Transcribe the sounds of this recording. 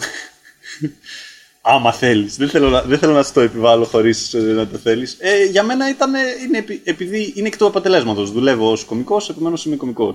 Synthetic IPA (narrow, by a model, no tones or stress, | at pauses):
ɐmɐθe̞lisðeθelonɐðeθe̞lonɐt̪oepivɐlo̞xo̞ɾisnɐt̪o̞θe̞liseʝɐme̞nɐit̪ɐne̞inepiepiðiinecet̪oɐpot̪e̞le̞zmɐt̪o̞zðule̞voosko̞miko̞se̞pe̞me̞nosiniko̞miko̞s